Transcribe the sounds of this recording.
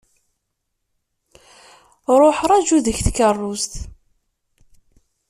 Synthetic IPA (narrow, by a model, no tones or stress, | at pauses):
ɾˤoħɾˤɑd͡ʒuðəçθkːərˤːʊst̪